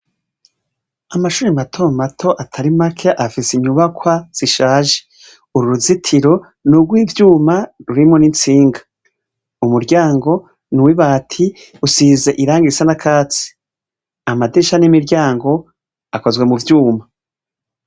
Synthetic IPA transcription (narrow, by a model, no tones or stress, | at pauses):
amaʃuːɾimatʰomatʰo̞ʔatʰaɾimakʰe̞ʔafisiɲuβakʰwaz̥iʃaːʒe̥ | uɾuɾuzitʰiɾo̞ | nuɡwiːvjuːmaɾuɾimonint͡siːŋɡḁ | umuɾɟaːŋɡo̞ | nuwiβaːtʰi | usiːze̞ʔiɾaːŋɡisanakʰaːt͡si̥ | amadiʃanimiɾɟaːŋɡo̞ | ako̞zɡwe̞muvjuːma